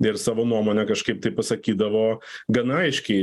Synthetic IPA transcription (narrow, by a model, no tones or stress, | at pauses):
ɪɾsɑːʋoːnuɔmoːnʲɛkɐʃkɐɪp̚t̪ɐɪpɐsɐkʲiːd̪ɐʋoːɡɐnɐɪʃʲkʲɛɪ